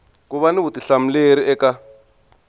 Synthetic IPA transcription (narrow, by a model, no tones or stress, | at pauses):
k̬ʼuβanibutiɬam̩leɾiʔɛka